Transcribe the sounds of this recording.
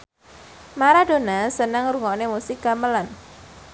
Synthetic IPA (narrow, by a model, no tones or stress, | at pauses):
maɾadonasənəŋɾuŋɔnemusɪk̚ɡ̥aməlan